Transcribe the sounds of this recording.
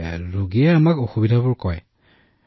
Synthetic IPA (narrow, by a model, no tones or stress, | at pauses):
ɹoɡiɛamakoxubidʱabʊɹkɔj